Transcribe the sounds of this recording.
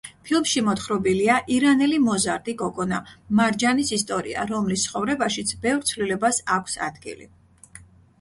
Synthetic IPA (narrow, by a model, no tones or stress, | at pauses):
pʰilˠmʃimɔt̪χɾɔbiliaʔiɾanɛlimɔzaɾd̪ʼikʼɔkʼɔnamaɾd͡ʒanisist̪ʼɔɾḭa̰ɾɔmlist̪sʰχɔvɾɛbaʃit̪sʰbɛvɾt̪sʰvlilɛbasakʷʰsa̰d̪̥ɡḭlḭ